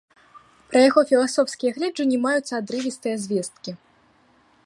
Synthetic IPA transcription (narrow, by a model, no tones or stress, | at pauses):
pɾɐjaɣɔfʲilˠasɔfsʲkʲijɐɣlʲɛd͡ʐɨnʲimajut̪sːɐad̪ɾɨvʲist̪ɨjɐzʲvʲɛst̪̚kʲi